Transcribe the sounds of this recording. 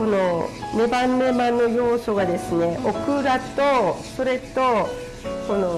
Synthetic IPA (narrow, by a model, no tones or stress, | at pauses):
o̞no̞ne̞bãnːe̞manːo̞jo̞ːso̞ɡad̪e̞sɨne̞ʔokɯ̟ɾat̪oso̞ɾe̞t̪o̞ | ko̞no